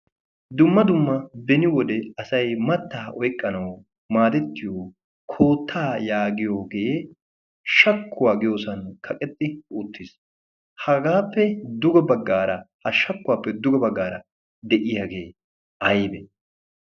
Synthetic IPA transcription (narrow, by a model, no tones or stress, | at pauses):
d̪ʊmːɐd̪ʊmːɐbɛnɪwɔd̪ɛɐsɐjmɐt̪ːaːʔɔjkʼːɐnɐw | maːd̪ɛt̪ːɪjoː | kʰoːt̪ʰːaːjaːɡɪjoːɡe̞ː | ʃɐkːʊwaːɡɪjo̞ːsɐnkʰɐkʼɛt̪ʼːɪut̪ːɪs | hɐɡaːpːɛd̪ʊɡɔbɐɡːaːɾɐhɐʃɐkːʊwaːpːɛd̪ʊɡɔbɐɡːaːɾɐ | d̪ɛʔɪjaɡe̞ː | ʔɐjbɛ